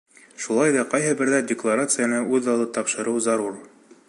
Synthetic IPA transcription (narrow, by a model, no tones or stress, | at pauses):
ʃulˠɑjðɑqɑjɦɤbɘ̆ɾðædʲɪklˠaɾat̪sɨjanɤʔʉðɑlˠɤt̪ɑpʃɤ̆ɾɤwzɑɾur